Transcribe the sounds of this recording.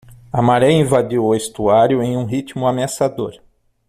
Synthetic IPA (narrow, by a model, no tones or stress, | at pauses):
amaɾɛĩvad̪iwʊest̪uaɾjʊẽj̃ũɦit͡ʃ̪imʊameasad̪oɾ